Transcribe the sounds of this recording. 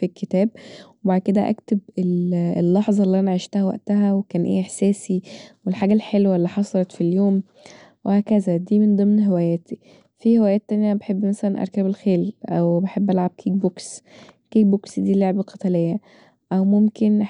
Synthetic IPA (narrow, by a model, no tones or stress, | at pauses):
filkʰːet̪æːb̚webaʕd̪̚ked̪æ̰ʔæ̰kt̪ebelelːɑħzˤɑlːiʔænaʕiʃt̪æhæwæ̰ʔt̪æɦæwekæːnʔḛːʔeħsæːsiwelħaːɡælħelwælːiːħɑsˤɑlɑt̪filjoːm | wʔehæːkæzæd̪iːmend̪ˤemnɦewæjæːt̪ʰi | fiːhewæjæːt̪ːænjæbeħebːmæsælænʔæ̰ɾˤkæbelxeːlʔæwbeħebːʔælʕab̚kʰiːɡ̚bokskiːɡ̚boksd̪iːloʕebelqɑt̪ælejːæ | ʔæwmomken